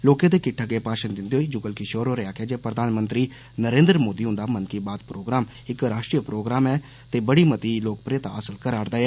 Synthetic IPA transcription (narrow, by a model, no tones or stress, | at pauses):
loːkẽːt̪eːkɪʈʰːaːkeːpaːʃənd̪ɪnd̪eːɦoːiːd͡ʒʊɡəlkɪʃoːɾoːɾɪaːkɪaːd͡ʒeːpɾəd̪ʱaːnmənt̪ɾiː | nəɾẽːnd̪ɾmoːd̪iːʊnd̪aːmənkiːbaːd̪pɾoːɡɾaːm | ɪkɾaːʃʈɾiːəpɾoːɡɾaːmɛː | t̪eːbəɽiːmət̪iːloːk̚pɾeːt̪a̰ːəsəlkəɾaːɾd̪aːɛː